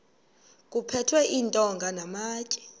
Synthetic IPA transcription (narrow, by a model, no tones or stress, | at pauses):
k̬ʼupʰɛtʰwɛʔintʼɔŋɡʱanamaːt͡ʃʼɛ̥